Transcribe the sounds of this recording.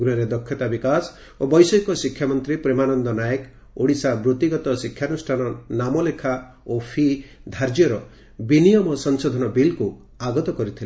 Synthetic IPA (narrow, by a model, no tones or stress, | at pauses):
ɡɾuɦɔɾed̪ɔkʰːjɔt̪abikas | obɔjsɔjkɔsikʰːjamɔnt̪ɾipɾemanɔnd̪ɔnajek | oɽisabɾut̪iɡɔt̪ɔsikʰːjanusʈʰanɔnamɔlekʰa | opʰid̪ʱaɾd͡ʒjɔɾɔ | binijɔmɔsɔŋsod̪ʱɔnɔbilku | aɡɔt̪ɔkɔɾit̪ʰile